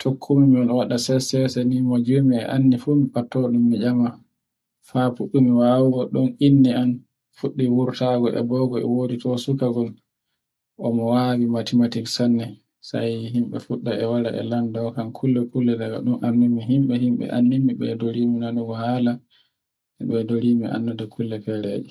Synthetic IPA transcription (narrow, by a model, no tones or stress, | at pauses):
tʰokʰːumimiɔnwaɗasɛsɛsɛnimod͡ʒumiɛʔanːifumipatːɔɗumːid͡ʒama | fafuɗːumiwawuɡɔɗɔnʔinːian | fuɗːiwuɾtaɡɔʔɛ̰bɔɡɔɛ̰woːditʰɔsukaɡɔl | ʔɔmɔwawimatimatiksanːɛ | sa̰jhimɓɛ̰fuɗːaʔɛwaɾa̰ʔɛ̰landɔkankʰulːɛkulːɛdaɡa̰ɗunʔanːumːiɦimɓɛhimɓɛ̰ʔa̰nːimiɓɛ̰doɾiːminanuɡɔhaːla | ɛɓɛdoɾimiʔa̰nːudakʰulːɛfɛɾḛːd͡ʒɛ